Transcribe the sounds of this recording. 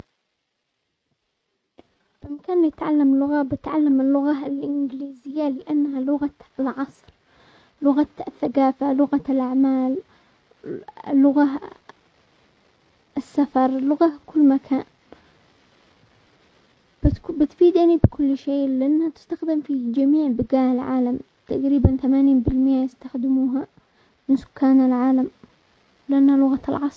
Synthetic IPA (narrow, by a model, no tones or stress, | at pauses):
bɪmakaːnljɪt̪ʕalːamlʊɣabɪt̪ʕalːamɪlːʊɣalʔɪnɡliːzɪjːalɪʔanːhalʊɣaɪlʕɑsˤɾ | lʊɣaɪθːakaːfalʊɣalʔaʕmaːl | lʊɣa | ɪsːafɑɾˤlʊɣakʊlːmakʰaːn | bɪt̪fiːd̪ʔanibɪkʊlːʃeːlɪʔanːhat̪ɪ̥st̪axd̪ɪmfid͡ʒamiːʕbɪɡaːʔɪlʕa̰ːlam | t̪aʔɾiːbanθamaːniːnbɪlmɪjajɪst̪axd̪ɪmuːɦa | mɪnsʊ̥kːaːnalʕaːlam | lɪʔanːhalʊɣalʕɑsˤɾ